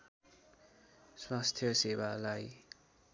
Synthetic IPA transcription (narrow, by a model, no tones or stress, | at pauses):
swast̪ʰjʌsewalaj